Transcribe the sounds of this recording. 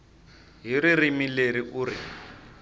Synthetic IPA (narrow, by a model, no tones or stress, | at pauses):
ɦiɾirimileɾiʔuːrḭ